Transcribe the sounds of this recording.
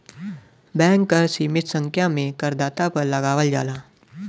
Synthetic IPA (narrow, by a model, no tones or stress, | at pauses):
bɛ̃ːŋkːəɾsiːmɪt̪sə̃ŋkʰjamẽkəɾd̪aːt̪apəɾləɡaːʋəld͡ʒa̰ːla